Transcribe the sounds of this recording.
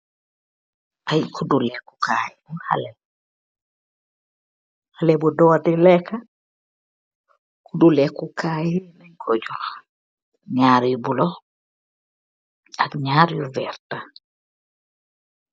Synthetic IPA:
ʔajkʰudulɛkːukʰajibuha̰lɛ | halɛbɔdɔdɛlɛka | kudulɛkukaːjinaɲkʰod͡ʒu | ɲaːɾjubulɔ | akɲaːɾjuvɛɾta

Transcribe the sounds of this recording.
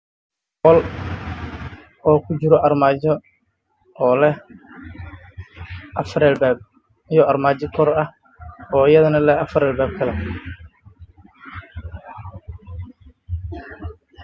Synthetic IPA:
qɔl | ɔːkʰʊd͡ʒɪɾɔʔɐrmaːd͡ʒɔ | ɔːlɛh | ʔɐfɾɛlbɛːb̚ | ɪjɔɐrmaːd͡ʒɔkʰɔɾɐh | ɔːɪjɐðɐnɐlɛɐfɾɛːlbɛːb̚kʰɐlɛ

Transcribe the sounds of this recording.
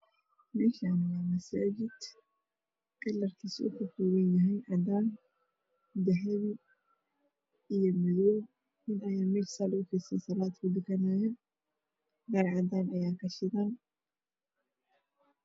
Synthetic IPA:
mɛːʃanɐwaːmɐsaːd͡ʒɪd̪̥ | kʼɛlːɐrkʰiːsʊ̰kʰʊfuːwɛnjɐɦɛjnʕɑd̪aːn | d̪ɐɦɐβi | ijɔmɪjɔː | nɪnɐjaːmɛːʃsaːlʊkɛsɛnsɐlaːd̪kʰʊd̪ɪkɐnaːjɛ | bɐɾʕɑd̪aːnɐjaːkʰɐʃɪðaːn

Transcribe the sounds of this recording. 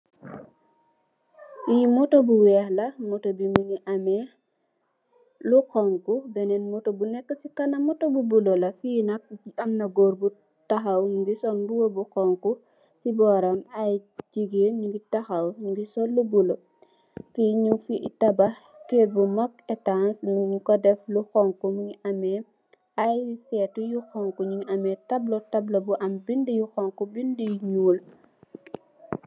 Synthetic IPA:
wijimɔtɔbuwɛhlɐmɔtobiminiʔamɛ | lukɔŋkubɛnɛnmɔtobunɛkːəsikɐnɐmɔtobubulolɐfiːnɐk̚iʔɐmnɐɡoɾbu | taxɐwɡisɔnbuwobukɔŋku | sibɔɾɐmajd͡ʒiɡeɲuŋɡitɐxɐwŋɡisɔlːubulɔ | fiɲufiitɐbɐ | ket̚bumɐkɛtansmukɔdɛfluxɔŋkumuŋiʔɐmɛ | ɐjsɛtujuxɔŋkuɲuŋiʔɐmɛtɐblɔtɐblɐbuʔɐmbindijuxɔŋkubindijuɲuːl

